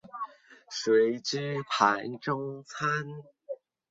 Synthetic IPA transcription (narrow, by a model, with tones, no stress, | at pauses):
swe˨˧˦ɪʈ͡ʂɻ̩˥pʰa˨˦nʈ͡ʂʊ˥ŋt͡sʰa˥n